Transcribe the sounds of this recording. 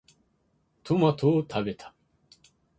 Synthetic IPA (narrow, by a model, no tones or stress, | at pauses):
t̪ʰomat̪ʰoːt̪ʰabet̪ʰḁ